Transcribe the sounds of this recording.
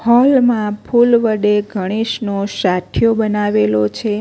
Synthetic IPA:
hɔlmãpʰulʋəɖeɡʱəɽ̃iʃnoʃat̪ʰjobənaʋelot͡ʃʰe

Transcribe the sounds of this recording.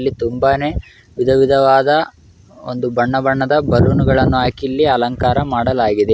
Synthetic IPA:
lːit̪umbaːne̞ː | ʋid̪ʱɐʋid̪ʱɐʋaːd̪ɐ | o̰nd̪ubɐɳːɐbɐɳːɐd̪ɐbɐɾunuɡɐɭɐnːuaːkilːiɐlɐŋkaːɾɐmaːɽɐlaːɡid̪e

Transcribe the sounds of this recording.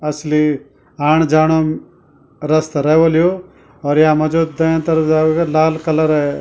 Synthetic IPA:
ɐsli | aːɳ̃d͡ʒaːɽ̃oː | ɾɐst̪ɾɐɦʋolijo | ɔːɾjaːmɐd͡ʒoːd̪̚d̪ɐãt̪ɐɾd̪aːʋɡɐlaːlkɐləɾɛ

